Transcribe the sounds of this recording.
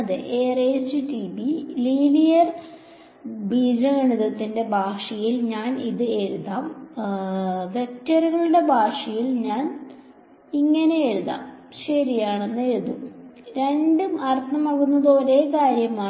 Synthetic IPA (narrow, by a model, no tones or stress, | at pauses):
ɐðɨʔeːresɨʈibiliːnijɐr | biːd͡ʑɐɐɳiðɐt̪ːinde̞bʱaːʂɐjilɲaːniðɨe̞ɻuðaːm | ʋe̞k̚tɐruɣɐɭuɽe̞bʱaːʂɐjilɲaːn | iŋːɐne̞eɻuða̰ːm | ɕɐɾijaːɳe̞nːɨeɻuðuɾe̞ɳɖumɐrt̪ːɐmɐɣunːɐðoːɾe̞ːkaːɾjɐmaː